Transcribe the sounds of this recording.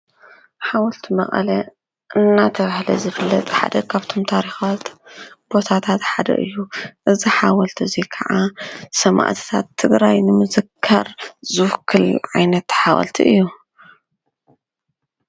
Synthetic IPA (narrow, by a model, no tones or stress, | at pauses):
ħawɐlt̪ʰimɐ̰χʼɐ̰lɐ | ʔɨnːat̪ʰɐβahlɐzɨfɨlːɐt̪ħa̰d̪ɐkʰaβt̪ʰo̞mt̪ʰaɾixat̪b̥o̞t̪ʰat̪ʰat̪ħad̪ɐ̰ʔɨjːuʔɨziħawɐlt̪ʰizikʰɐʕasɐma̰ʔt̪ʰi̥t̪ʰa̰t̪ʰːɨɡɾajnɨmɨzɨkʰːɐ̰ɾzɨkʰːɨlʕajnɐt̪ħawɐ̰lt̪ʰḭʔɨjːu